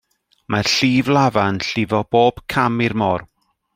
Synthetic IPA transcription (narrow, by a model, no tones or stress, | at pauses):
marɬiːvlˠavanɬɪvɔb̥oːb̥kʰamɪrmɔːr